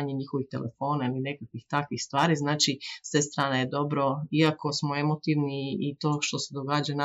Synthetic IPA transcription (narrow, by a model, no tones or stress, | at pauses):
aɲeɲixo̞ʋixt̪e̞̰lʔefo̞ːnailine̞kakʋixt̪akʋixst̪ʋaːɾiznaːt͡ʃisʋest̪ɾaːnajed̪o̞bɾo̞iako̞smo̞e̞mo̞t̪iʋniːt̪o̞ːʃt̪o̞se̞d̪o̞ɡaːd͡ʑana